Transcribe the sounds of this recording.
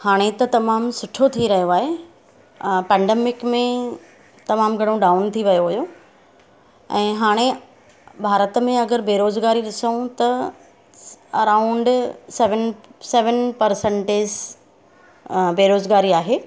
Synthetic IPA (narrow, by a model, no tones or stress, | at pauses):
haːɽ̃et̪ɐt̪ɐmaːmsʊʈʰot̪ʰiɾɐɦijoaːɦe | pɛ̃ːɳɖeːmɪkmẽ | t̪ɐmaːmɡʱɐɽ̃õɖaːʊnt̪ʰiʋɐjoʋɐjo | ɛ̃ːɦaːɽ̃e | bʱaːɾət̪mẽɐɡəɾbeːɾoːzɡaːɾiɗɪsəũt̪ɐ | ɐɾaːʊ̃ɳɖseʋənsɛːʋənpɐɾsə̃ɳʈez | beːɾoːzɡaːɾiaːɦeː